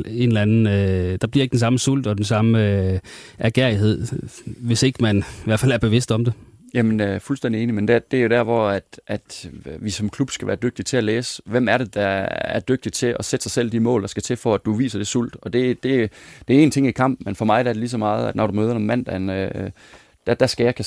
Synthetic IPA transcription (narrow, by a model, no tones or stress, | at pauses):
e̝nlænn̩d̥ɑ̈b̥liɐeɡ̥̚d̥ensɑ̈məsul̰d̥ɒd̥ensɑ̈m | æɡ̥eɐ̰iɦe̝ð̞̰ˠʋe̝se̝ɡ̥əmænʋæɐfælæɐb̥e̝ʋe̝sd̥ɒ̽md̥e | jæmənøfulsd̥endie̝ːnimend̥ed̥eæɐjo̝d̥æɐ̰ʋɒæd̥ʔæd̥ʋisɒ̽mkʰlub̥sɡ̥æʋæːɐd̥øɡ̥̚d̥it͡sʰe̝æleːsʋem̰æɐɾe̝d̥ɑ̈æɐd̥øɡ̥̚d̥it͡sʰe̝ʔɒ̽sed̥sɑ̈ɪsel̰d̥imɔ̰̽ːld̥ɑ̈sɡ̥æt͡sʰe̝fɒæd̥uʋḭːsɐd̥e̝sul̰d̥ɒ̽d̥e̝d̥e̝d̥ee̝ːnt͡sʰe̝ŋikʰɑ̈m̰b̥̩menfɒ̽mɑ̈ɪɾ̥æɐɾ̥elis̬ɒ̽mɑ̈ːð̞̩ˠæd̥nɒɾumøːð̞ˠɐnɒmːæn̰d̥ænø | d̥æd̥æsɡ̥æjɑɪkʰæ